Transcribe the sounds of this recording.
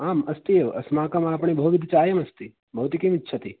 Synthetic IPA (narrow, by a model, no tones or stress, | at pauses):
aːmɐst̪ieʋɐ̰smaːkɐmaːpɳ̃ibəɦut̪id̪ʱit͡ʃaːjɐmɐst̪i | bɐɦut̪ikemitːʃʰɐt̪i